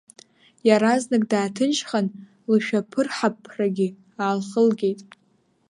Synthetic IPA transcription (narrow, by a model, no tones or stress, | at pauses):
jaɾaznakʼdaːtʰɨnʃχan | lɨʃᶣapʰɨrħapʰraɡʲɪ | aːlχəlɡʲejtʼ